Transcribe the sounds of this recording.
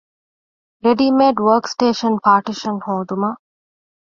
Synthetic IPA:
ɾeɖimeːɖʋəːɾksʈeːʃɐnpaːɾʈiʃɐnhõːd̪umɐ

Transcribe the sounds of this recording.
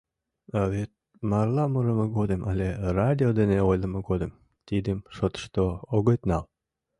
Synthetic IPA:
aβet̪̚ | mɑrlˠɑməɾəməɡod̪əmʔɑlʲerad̪ʲiod̪eneojləməɡod̪əm | t̪id̪emʃot̪ə̥ʃt̪ooɣət̪nɑl

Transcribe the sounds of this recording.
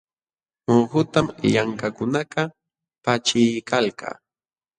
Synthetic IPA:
moxʊt̪amʎaŋkakʊnakɑ | pat͡ʃɪjkalka̰ː

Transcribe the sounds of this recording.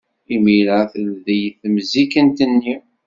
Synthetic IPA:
imiləθəlðəjθmzikənt̪ənːi

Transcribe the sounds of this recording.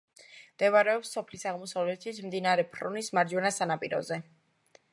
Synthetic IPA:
md̪̥ɛvaɾɛɔpsːɔpʰlisaʁmɔsavlɛt̪ʰismd̪inaɾɛpʰɾɔ̰nismaɾd͡ʒwɛnasanapʼiɾɔ̰zɛ

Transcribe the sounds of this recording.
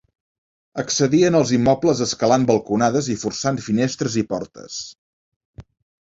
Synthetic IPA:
əksəðiənəlˠzimːɔpləzəskəlambəlˠkunaðəzifursanfinest̪ɾəzipɔɾt̪ə̰s

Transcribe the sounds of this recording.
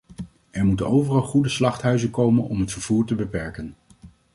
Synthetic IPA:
ʔɛɹmutənowvərɑlˠχudəslɑχtɦœɥzəkowmənɔmɦətfəɹv̥uːɹtəbəpɛɹkən

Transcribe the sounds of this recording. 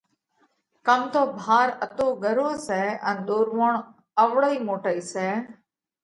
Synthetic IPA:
kəmt̪oːbʱaːɾət̪oːɡəɾoːseənd̪oɾʋoːɳ | əʋɽəimoːʈəiseː

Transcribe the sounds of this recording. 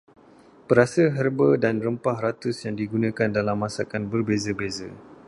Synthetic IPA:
pəɾasəɦərbədanrəmpahrat̪usjaŋdiɡunãkandalamːãsakanbərbezəbezə

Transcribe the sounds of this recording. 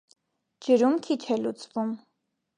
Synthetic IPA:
d͡ʒəɾumkʰit͡ʃʰɛlut͡svum

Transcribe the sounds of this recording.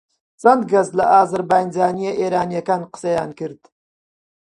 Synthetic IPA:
z̥and̪ɡazlɐʔaːzɨɾbajnzaːnijɐʔeːɾaːnijɐkanqə̥sɐjaːnkɪɾd̪

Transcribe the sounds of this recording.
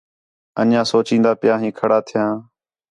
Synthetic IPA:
ə̰njãːsoːt͡ʃĩːnd̪aːpɪjãːɦĩːkʰəɽaːt̪ʰɪjãː

